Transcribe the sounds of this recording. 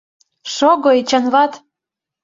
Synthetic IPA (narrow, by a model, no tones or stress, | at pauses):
ʃoɡoet͡ɕɑnβɑt̪